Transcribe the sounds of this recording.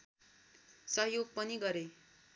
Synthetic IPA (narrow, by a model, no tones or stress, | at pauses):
sʌɦjoɡ̚pʌniɡʌɾe